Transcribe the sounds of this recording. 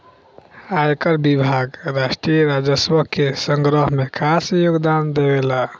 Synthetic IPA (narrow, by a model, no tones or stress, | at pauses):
ajkəɾbibʱaɡɾasʈɾijəɾad͡ʒəsbəkesəŋɡɾəɦmekʰasjoɡd̪and̪ebela